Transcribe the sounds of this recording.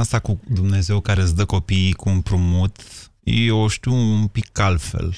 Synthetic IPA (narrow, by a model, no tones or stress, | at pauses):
ast̪akud̪umne̞ze̞wkaɾesd̪əko̞piːkuːnpɾumut̪ | oʃt̪iwumpikːalfe̞̰l